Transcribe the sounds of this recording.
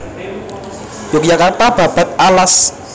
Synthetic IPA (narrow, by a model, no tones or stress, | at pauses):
jokjakart̪ab̥a̤b̥a̤t̪̚alas